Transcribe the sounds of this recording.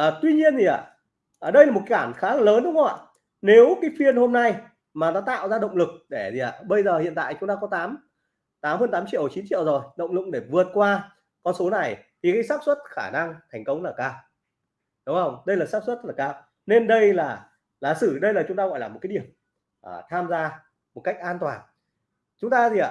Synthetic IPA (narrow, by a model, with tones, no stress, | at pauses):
ʔəː˨˩t̪wi˧ɲi˧ənzi˨˩ʔa̰ː˧˩ | ʔəː˨˩ɗə˧jlaː˨˩mo˨˩ka˨˦aː˧˩nxaː˨˦la˨˩ləː˨˦nɗʊ˨˦ŋ͡mxə˨˦wa̰ː˧˨ | ne˨˦wkaː˨˦jfi˧ənho˧mna˧j | maː˨˩nɔ˨˦t̪a̰ː˧˨wzaː˧ɗə̰˧˨wŋ͡mlɨ˨˩k̚ɗe˧˩zi˨˩ʔa̰ː˧˩ɓə˧jzəː˨˩hḭ˧˨nt̪a̰ː˧˨jt͡ɕʊ˨˦ŋ͡mt̪aː˧kɔ˨˦t̪aː˨˦m | t̪aː˨˦mhəː˧nt̪aː˨˦mt͡ɕḭ˧˨ə˩˨t͡ɕi˨˦nt͡ɕḭ˧˨ə˨wzo˨˩jɗə̰˧˨wŋ͡mlɨ̰˨˩k̚ɗe˧˩vɨ˨˩ət̚kwaː˧ | kɔ˧nso˨˦na˨˩jt̪ʰi˨˩kaː˨˦jsaː˦˥p̚swə˦˥t̚xaː˧˩na˧ŋt̪ʰa˨˩jŋ̟kə˨˦wŋ͡mlaː˨˩kaː˧w | ɗʊ˨˦ŋ͡mhə˧wŋ͡mɗə˧jlaː˨˩saː˦˥p̚swə˦˥t̚z̥ə˥tlaː˨˩kaː˧w | ne˧nɗə˧jlaː˨˩ | laː˨˩sɨ˧˩ɗə˧jlaː˨˩t͡ɕʊ˨˦ŋ͡mt̪aː˧ɣɔ̰˧˨jlaː˨˩mo˨˩t̚aː˨˦jɗi˨˩əwm | ʔːt̪ʰaː˧mzaː˧ | mo˨˩t̚ka˦˥k̚ʔaː˧nt̪waː˨˩n | t͡ɕʊ˨˦ŋ͡mt̪aː˧zi˨˩ʔa̰ː˧˨